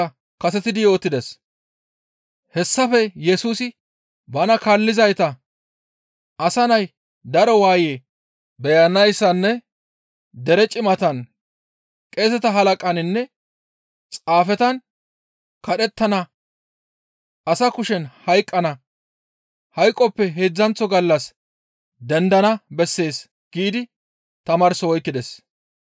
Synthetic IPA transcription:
ɐ | kɐsɛt̪ɪd̪ɪjo̞ːt̪ːɪd̪ɛs | hɛsːɐfɛjɛsuːsɪ | bɐnɐkɐlːɪzɐjt̪ɐ | ɐsɐnɐj | d̪ɐɾɔwaːje | bɛjɐnɐjsːɐnːɛ | d̪ɛɾɛt͡ʃʼɪmɐt̪ɐn | kʼe̞ːs̬ɛt̪ɐɦɐlɐkʼɐnɪnːɛ | t͡sʼaːfɛt̪ɐn | kɐɗɛt̪ːɐnɐ | ɐsɐkʊʃɛnhɐjkʼːɐnɐ | hɐjkʼːɔpːɛɦeːd͡zːɐnt͡sːɔɡɐlːɐs | d̪ɛnd̪ɐnɐbɛsːe̞ːs | ɡ̥iːd̪ɪ | t̪ɐmɐɾsɔwɔjkːɪd̪ɛs

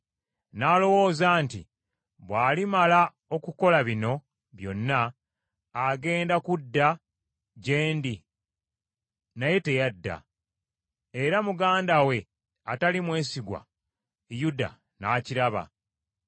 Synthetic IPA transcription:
naːlo̞wo̞ːzaːntḭ | βwaːlimala | o̞kuko̞laβino̞ | βjo̞̰nːaː | ɡe̞ːndakudːa | ɟe̞ːndi | naje̞te̞jadːa̰ | eɾamuɡaːndawe̞ | atalimwe̞ːsiɡwa̰ | juda̰ | naːciɾaβa̰

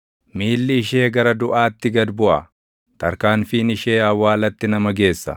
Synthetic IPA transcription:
miːlːɪːʃe̞ːɡɐɾɐd̪ʊʔaːt̪ːɪɡɐd̪bʊʔɐ̰ | t̪ɐɾkaːnfiːnɪʃe̞ːɐwːaːlɐt̪ːɪnɐmɐɡe̞ːsːɐ̰

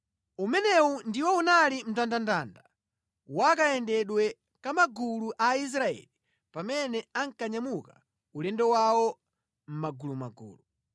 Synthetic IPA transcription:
umɛnɛwundiwɔunalim̩tandandanda | wakaɛndɛɗwɛ | kamaɡuluʔais̬ɾaɛ̰li | pamɛnɛaŋkaɲamuka | ulɛndɔwawɔ | m̩maɡuluma̰ɡṵːlu

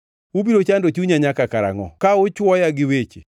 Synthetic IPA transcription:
ubiɾot͡ʃandot͡ʃuɲaɲakakaɾa̰ŋɔ̰kaʊt͡ʃwɔjaɡɪwet͡ʃḛ

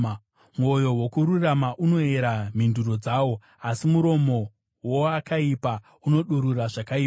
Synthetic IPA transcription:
mojo̞wo̞kuɾuramaʔuno̞e̞ɾam̤induɾo̞d͡zawo̞ | asimuɾo̞mo̞ | woakaipa | uno̞ɗuɾuraʐakaiːpa

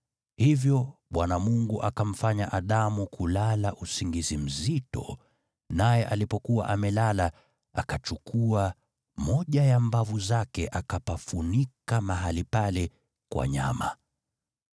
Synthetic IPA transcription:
hivjɔɓwanamuŋɡuʔakam̩faɲaʔaðamukulalaʔusiŋɡizim̩zitɔ̰ | najɛʔalipɔkuwa̰ʔamɛlala | a̰kat͡ʃukʰua | mɔʄajambavuzakɛʔakapafunikamaɦalipalɛ | kwa̰ɲama

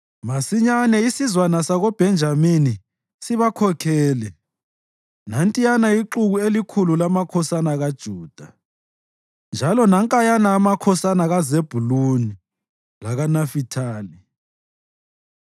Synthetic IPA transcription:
masiɲanɛisizwanasaɣɔb̥ʱɛnd͡ʒʱamini | siβakʰɔkʰɛːlɛ | nantʼijanaiǁuɣuelikʰululamakʰɔsanaɣad̥ʒ̥ʱuːd̥ʱa | nd͡ʒʱalɔnaŋkʼajanaːmakʰɔsanaɣazeb̥ʱuluni | laɣanafitʰaːli

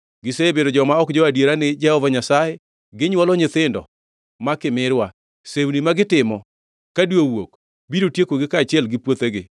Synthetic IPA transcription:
ɡɪseebedod͡ʒɔmaɔkd͡ʒɔadjeɾanɪd͡ʒɛhɔvaɲasajɛ | ɡɪɲwɔlɔɲɪt̪ɪndɔ̰ | makɪmɪɾwa | sewnimaɡɪtɪmɔ | kadwowok | biɾotjekoɡɪkaːt͡ʃɪɛlɡɪpwot̪eɡɪ

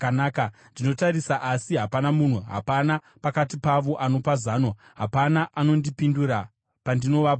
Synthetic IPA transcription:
naːkandino̞taɾisaʔasiɦapanamun̤uɦa̰pana | pakatipaʋo̞ʔano̞pazaːno | ɦapanaʔano̞ndipinduɾa | pandino̞ʋao

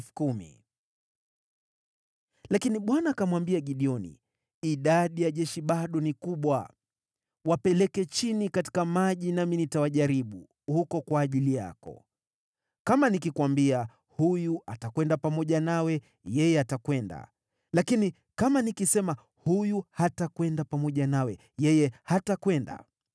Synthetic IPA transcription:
kumḭ | lakiniɓwanakamwambiaɠiɗiɔnḭː | ɗaɗijaʄɛʃiɓaɗɔnikuɓwa | wapɛlɛkɛt͡ʃinikati̥kamaʄinaminitawaʄaɾiɓu | hukɔkwaːʄilija̰kɔ̰ | kamanikikwambia | hujuʔatakwɛndapamɔʄanawɛ | jɛjɛatakwɛnda̰ | lakini | kamanikisɛma | hujuhatakwɛndapamɔʄanawɛ | jɛjɛhatakwɛnda̰

